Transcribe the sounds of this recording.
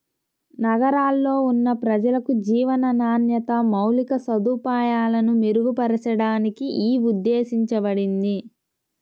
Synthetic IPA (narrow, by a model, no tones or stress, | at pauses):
nɐɡɐɾaːlːo̞ːunːɐpɾɐd͡ʒɐlɐkud͡ʒiːʋɐnɐnaːnjɐt̪ɐmɐwlikɐsɐd̪uːpaːjaːlɐnumeɾuɡupɐɾɐsɐɽaːnikiʔiːud̪ːeːsiɲt͡ʃɐbɐɽind̪i